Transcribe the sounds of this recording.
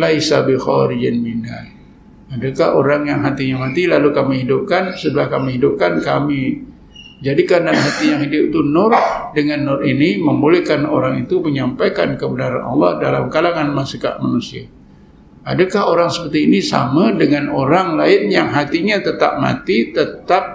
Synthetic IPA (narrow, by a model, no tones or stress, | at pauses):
laisa̰bixɔ̰ɾid͡ʒɪnbinda̰ | adakaho̰ɾaŋjaŋɦat̪iɲamat̪ilalukamihidʊp̚kansədəahkamiɦidʊp̚kankami | d͡ʒadikandanɦat̪ijaŋɦidʊpit̪unʊrdəŋanːʊriniməmbolehkanoɾaŋit̪uməɲampajka̰nkəbənaɾa̰nʔɑ̰lːɑ̰hdala̰mkalaŋanmasika̰ʔmanusia̰ | adakaɦoɾaŋsəpərt̪iːnisa̰madəŋanoɾaŋlaɪnjaŋɦat̪iɲat̪ət̪a̰p̚ma̰t̪it̪ət̪ap̚